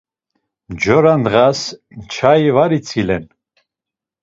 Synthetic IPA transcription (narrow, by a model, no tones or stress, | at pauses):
d͡ʒɔɾand̪ʁas | t͡ʃʰaivaɾit͡sʰilɛn